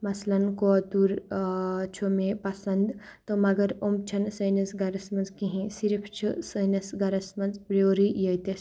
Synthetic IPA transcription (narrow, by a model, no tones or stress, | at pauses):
mɐslɐnkot̪uɾ | t͡ʃʰumẽpɐsɐnd̪t̪omɐɡɐɾomt͡ʃʰɐnsəjnɐsɡɐɾɐsmɐnzkiɦĩsiɾpʰt͡ʃʰɨsəjnɐsɡɐɾɐsmɐnzpɾoːɾijɐt̪e